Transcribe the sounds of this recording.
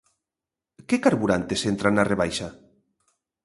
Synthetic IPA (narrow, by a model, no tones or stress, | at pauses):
kekaɾβuɾant̪esent̪ɾanːareβ̞ajʃa